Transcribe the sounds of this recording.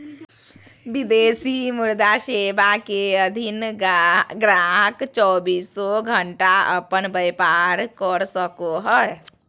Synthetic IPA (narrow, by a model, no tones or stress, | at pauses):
ʋɪd̪eːsimʊɾd̪aʃeːbakeəd̪ʱɪn | ɡɾaɦəkt͡ʃɔːbiːsɔɡʱəɳʈaə̰pənbəjpaːɾkɔɾsəkoɦɔe